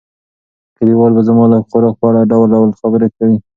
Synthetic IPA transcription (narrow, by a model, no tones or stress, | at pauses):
kaɾiwɑlbazmɑlaxoɾɑk̚pəaɽaɖawlɖawlxabəɾekawi